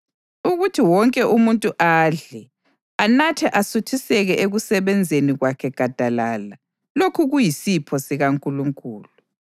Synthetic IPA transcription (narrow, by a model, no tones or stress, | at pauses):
uɣutʰiwɔŋkʼɛʔumuntʼuʔaɮɛ | anatʰɛʔasutʰisɛɣɛʔeɣusɛβɛnd͡zʱeniɣwakʰɛɡ̥ʱad̥ʱalala | lokʰuɣujisipʰɔsiɣaŋkʼuluŋkʼuːlu